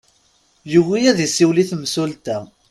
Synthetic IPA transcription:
juwijæðisiwliθmsult̪æ

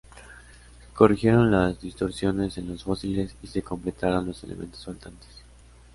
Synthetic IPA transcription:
ko̞rixje̞ɾo̞nlazðist̪o̞ɾsjo̞ne̞se̞nlo̞sfo̞sile̞sise̞ko̞mple̞t̪aɾo̞nlo̞se̞lḛmẽ̞̰nt̪osfalt̪ant̪e̥s

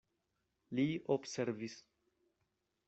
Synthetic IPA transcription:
liobse̞ɾvis

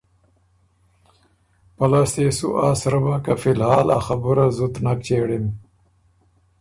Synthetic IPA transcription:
pɐlast̪eːsṵʔaːsɾɐbãːkafilhaːla̰xɐbuɾazut̪nak̚t͡ɕeːɽim

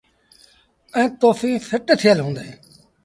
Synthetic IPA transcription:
ɛ̃ːt̪oːfĩːfʰɪʈt̪ʰɪjəlɦõːnd̪aẽː

